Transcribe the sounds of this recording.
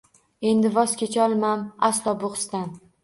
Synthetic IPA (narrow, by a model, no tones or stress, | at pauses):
e̞nd̪ɪvɒskʲʰet͡ʃʰɒlˠmamaslˠɒboχst̪an